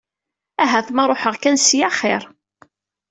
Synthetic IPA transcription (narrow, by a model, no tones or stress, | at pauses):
æɦæθmæɾˤoħəʁkænsjaχɪɾˤ